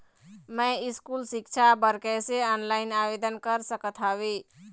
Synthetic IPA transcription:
məiskulsik̚t͡ʃʰabəɾkɛseənlaɪnabed̪ənkəɾsəkət̪ʰabe

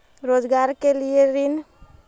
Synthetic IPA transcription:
ɾod͡ʒɡaɾkelijeɾin

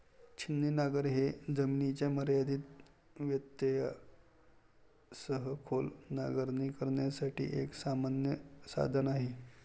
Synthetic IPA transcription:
t͡ɕʰinːinaɡəɾɦed͡zəminit͡ɕjaməɾjad̪iːt̪ | ʋjət̪jəja | səɦəkʰolnaɡəɾnikəɾɳjasaʈʰḭːʔeksamanjəsa̰d̪ʱənaɦe

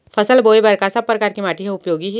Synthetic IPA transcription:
fʰɐsəlboːebɐɾkasɐb̚pːɾɐkaːɾkimaːʈiɦeʊpjoːɡiɦɛ

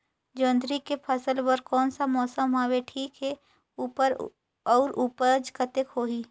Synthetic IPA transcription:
d͡ʒõːnd̪ɾikepʰəsəlwəɾkɔːnsamɔːsəmɦaweʈʰiːkɦɛ | upəɾ | ɔːɾuːpəd͡ʒkət̪ekɦoːɦiː

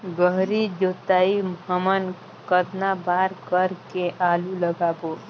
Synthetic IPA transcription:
ɡəɦɾid͡ʒot̪aimɦəmən | kəd̪nabaːɾkəɾkeʔaːluləɡaːbo

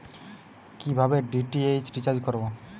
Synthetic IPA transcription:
kibʱabeɖiʈiet͡ʃɖit͡ɕaɾd͡ʒkɔɾbo

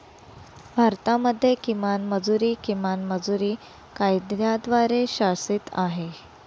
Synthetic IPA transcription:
bʱaɾt̪aməd̪ʱːjekimanməd͡zuɾiːkimanməd͡zuɾiː | kajd̪jad̪ʋaɾeɕasiːt̪aɦe

